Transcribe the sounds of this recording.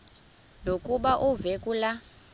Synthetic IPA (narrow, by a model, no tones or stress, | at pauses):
nokʼuɓaʔuvekʼula